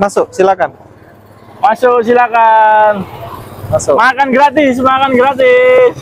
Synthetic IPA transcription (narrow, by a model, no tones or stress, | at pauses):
masʊk̚silakan | masʊks̬ilakanmasʊmakanɡɾat̪is̬makanɡɾat̪̬is